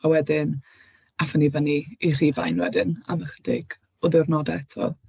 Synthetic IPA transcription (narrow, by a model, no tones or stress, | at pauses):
awɛdɪn | afənivəniir̥iva̰jnwɛ̰dɪna̰məχəd̥ɪ̰ɡ̥ | ʊðɪwrnɔdɛɛtʰɔ̰lˠ